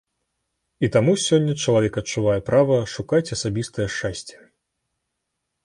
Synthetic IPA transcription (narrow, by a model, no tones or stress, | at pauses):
it̪amusʲɔnʲːɐt͡ʂɐlˠavʲɛkɐtt͡ʂuvajɛpɾavɐʂukat͡sʲɐsabʲist̪ɐjɛʂt͡ʂasʲt͡sʲɛ̥